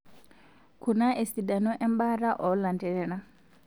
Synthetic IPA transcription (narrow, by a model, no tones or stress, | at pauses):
kunaʔesidanɔʔɛmbaɾaʔɔlantɛɾɛna